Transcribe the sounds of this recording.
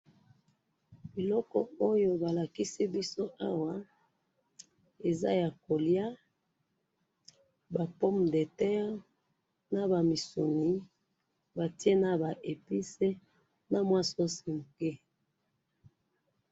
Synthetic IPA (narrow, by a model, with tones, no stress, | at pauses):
bi˨lɔ˦kɔ˨o˦jo˦ba˨la˨ki˦si˦bi˦so˦ʔa˦wa˨ | e˨za̰˦ja˨ko˨lja˦ | ba˨po˦mde˨tɛ˦ʁ | na˦ba˨mi˨so˨ni˦ | ba˨ti˦e˦na˦ba˨ʔe˨pi˦se˦ | na˨mwa˦so˦si˨ŋ˨ke˦